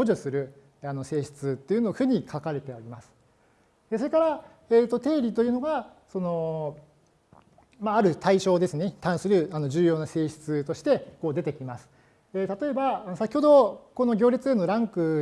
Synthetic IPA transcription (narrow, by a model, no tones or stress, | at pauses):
o̞ʑosɨɾɯ̟ | ano̞se̞ːɕi̥t͡sɨt̪ːe̞iɯ̟noɸɯ̟ːɲ̟ikʰakaɾe̞t̪e̞oɾʲimasɨ̥ | eso̞ɾe̞kaɾa | et̪ːo̞t̪e̞ːɾʲit̪o̞jɯ̟noɡa | so̞no̞ | maaɾɯ̟t̪aiɕo̞ːd̪e̞sɨne̞t̪ãɰ̃sɨɾɯ̟ano̞ʑɨːjo̞ːnase̞ːɕi̥t͡sɨt̪o̞ɕi̥t̪e̞ko̞ːd̪e̞t̪e̞kʲimasɨ̥ | et̪at̪o̞e̞baano̞sakʲiho̞d̪o̞ko̞no̞ɡʲo̞ːɾʲet͡sɨe̞nːo̞ɾãŋkɯ̟